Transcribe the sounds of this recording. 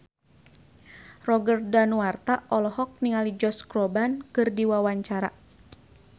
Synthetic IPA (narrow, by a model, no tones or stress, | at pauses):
rɔɡərdanuart̪aʔɔlɔhɔk̚niŋalid͡ʒɔskɾɔbankɨrdiwawaɲt͡ʃaɾa̰